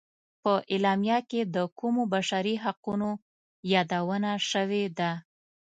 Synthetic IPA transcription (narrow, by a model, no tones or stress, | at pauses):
pəʔelɑmjaked̪əkumobaʃaɾiɦaquno | jɑd̪awənaʃəwed̪a